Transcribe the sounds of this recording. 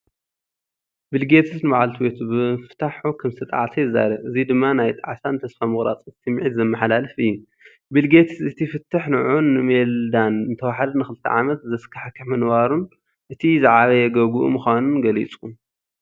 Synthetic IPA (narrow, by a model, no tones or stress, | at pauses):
bɨlɡet̪ʰɨsnɨbaʕalt̪ʰibet̪ʰubɨfɨt̪ʰaħukʰɐmsʰɨt̪ʼa̰ʕsɐjizːa̰ɾɐʔɨzid̪ɨmːanajt̪ʼa̰ʕsant̪ʰɐsfamɨɣɾa̰t͡sʼɨ̥t̪ʰɨmʕit̪zɐmːɐħalalɐfɨjːu | bɨlɡet̪ʰɨsɨt̪ʰifɨt̪ʰːɨħnɨʕunːɨmeld̪anɨnt̪ʰɐwaħad̪ɐnɨxɨlɨt̪ʰːɐ̰ʕamɐt̪zɐskʰaħkʰːɨħmɐnbaɾun | ʔɨt̪ʰizɨʕaβɐjɛɡɐɡuʔṵmɨxʷanunɡɐlḭt͡sʼun